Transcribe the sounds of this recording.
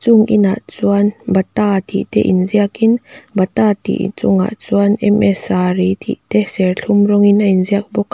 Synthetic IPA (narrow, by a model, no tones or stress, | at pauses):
t͡suŋʔḭna̰ʔt͡suanbɐt̪at̪ʰḭʔt̪ɛ̰ʔinziakinbɐt̪at̪ḭʔt͡suŋa̰ʔt͡suanɛmɛsaɾit̪ʰḭʔt̪ɛsɛrɬʰumrɔŋinainziak̚bɔk